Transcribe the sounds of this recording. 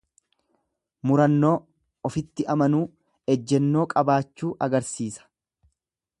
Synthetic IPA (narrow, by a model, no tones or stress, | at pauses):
mʊɾɐnːo̞ː | ɔfɪt̪ːɪʔɐmɐnuː | ɛd͡ʒːɛnːo̞ːkʼɐbaːt͡ʃːuːʔɐɡɐɾsiːsɐ̥